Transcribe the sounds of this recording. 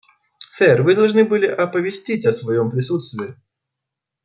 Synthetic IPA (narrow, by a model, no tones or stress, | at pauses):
sɛrvɨd̪ɐlˠʐnɨbɨlʲɪʔɐpəvʲɪsʲtʲitʲɐsvɐjompɾʲɪs̬ut̪st̪vʲɪː